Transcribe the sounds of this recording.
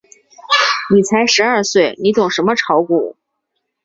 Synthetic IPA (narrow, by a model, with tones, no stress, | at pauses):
ni˨˩t͡sʰa˧˥ɪʂɻ̩˧˥ɐ˥˧swe˥˩ɪni˧˥t̪ʊ˨˩ŋʂə˧˥nmə˧ʈ͡ʂʰɑ˧˥ʊku˨˩˦